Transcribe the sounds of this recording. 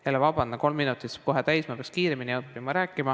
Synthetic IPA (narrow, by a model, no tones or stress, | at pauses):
elːevɑb̥ɑnd̪ɑko̞lmːinut̪ːˑiskoɦet̪æjsmɑpeɑkskiːɾeminiopːˑimɑɾæːkːˑimɑ